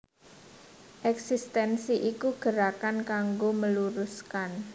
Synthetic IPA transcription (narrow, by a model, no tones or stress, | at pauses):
ʔɛksist̪ɛnsiʔikuɡ̥əɾakankaŋɡoməluɾuskan